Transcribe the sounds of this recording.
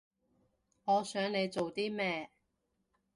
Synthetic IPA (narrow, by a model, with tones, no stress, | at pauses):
ŋɔː˨˧sœː˨˥ŋne˨˧jt͡so˨wt̪iː˥mɛː˥